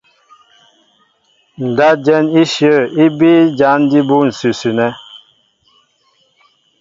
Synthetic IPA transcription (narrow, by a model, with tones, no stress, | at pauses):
n̩˨da˦d͡ʒɛ˦ni˦ʃjə˦˨ɾi˦bi˦d͡ʒa˨˦n˦di˦bu˦n̩˨sʉ˨sʉ˨nɛ˦